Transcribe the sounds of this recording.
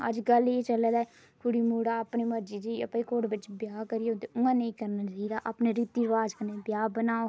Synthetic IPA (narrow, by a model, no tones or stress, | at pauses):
ə̰d͡ʒɡəlet͡ʃələd̪ɛː | kʰʊɽiːmuːɽaːəpneːməɾd͡ʒiːd͡ʒiːəpẽːkoːɽʋɪt͡ʃbjaːkəɾioːt̪eʊŋãːnẽĩːkəɾnaːt͡ʃaːid̪aːʔapneːɾiːt̪iɾəʋaːd͡ʒkənebjaːbənaːo